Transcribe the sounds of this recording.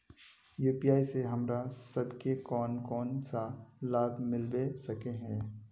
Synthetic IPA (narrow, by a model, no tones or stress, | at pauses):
juːpiaːiseɦɐmɾasɐbkekɔːnkɔːnsalaːbmɪlbesɐkeɦɛ̃ː